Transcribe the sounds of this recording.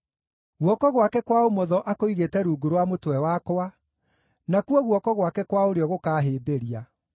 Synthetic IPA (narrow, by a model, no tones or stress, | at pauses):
ɣwɔkɔɣwakɛkwaomɔðɔʔakoiɣetɛɾuːɡoɾowamotwɛwakoa | nakuɔɣwɔkɔɣwakɛkwaoɾeɔɣokaːɦeːbeɾia